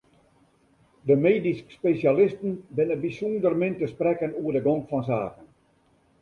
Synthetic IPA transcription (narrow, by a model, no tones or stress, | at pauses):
dəmeːdiskspesjalɪstən̩bɪnəbisundərmɪntəsprɛkənuərdəɡɔŋkfɔns̬aːkən